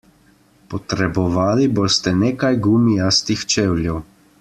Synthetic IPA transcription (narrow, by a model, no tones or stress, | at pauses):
pɔt̪ɾɛbɔʋaːliboːst̪ɛneːkajɡuːmijast̪ixt͡ʃeːwljɛw